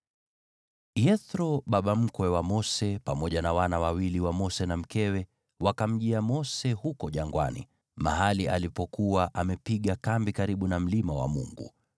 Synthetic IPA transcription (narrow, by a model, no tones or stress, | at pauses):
jɛθɾɔɓaɓam̩kwɛwamɔsɛpamɔʄanawanawawiliwamɔsɛnam̩kɛwɛ | wakam̩ʄiamɔsɛhukɔʄaŋɡwa̰nḭ | ma̰ɦaliʔalipɔkuwaʔamɛpiɠakambikaɾiɓunam̩limawa̰mṵŋɡṵ